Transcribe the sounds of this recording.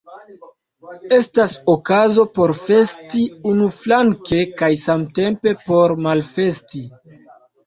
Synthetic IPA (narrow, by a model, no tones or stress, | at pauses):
e̞stasokazo̞po̞ɾfe̞stiunuflaŋke̞kajsamte̞mpe̞po̞ɾmalfe̞sti